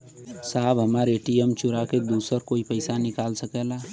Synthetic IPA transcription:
saːbɦəmaːɾeːʈiəmt͡ʃʊɾaked̪uːsəɾkoːipəɪsanɪkaːlsəkɛla

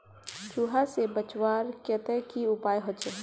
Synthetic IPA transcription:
t͡ʃuːɦasebət͡ʃwaːɾkɛt̪ɛkiʊpaːjɦot͡ʃe

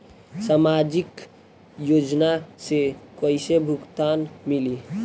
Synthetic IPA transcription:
samad͡ʒik | jod͡ʒnasekəɪsebʱukt̪anmili

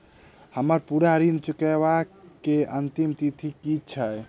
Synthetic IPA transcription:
həməɾpuɾaɾint͡ʃukɛβakeənt̪imt̪it̪ʰikit͡ʃʰəj

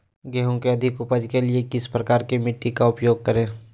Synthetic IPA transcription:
ɡɛɦõkeɐd̪ʱɪkʊpəd͡ʒkeliekɪspɾɐkaːɾkemɪʈːikaʊpjoːɡ̚kəɾẽː

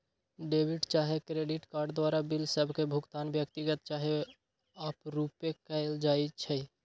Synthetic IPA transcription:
ɖebʱiɖt͡ʃaɦekɾeɖiʈkaɾɖd̪waɾabilsəbʱkebʱuɡt̪anbjəkt̪iɡət̪t͡ʃaɦe | apɾupekəɪld͡ʒait͡ʃʰɛ

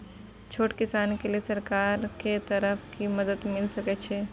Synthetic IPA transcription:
t͡ʃʰoːʈkɪsaːnkeliesɐɾkaːɾket̪əɾəpʰkimɐd̪əd̪mɪlsɐkɛt͡ʃʰe

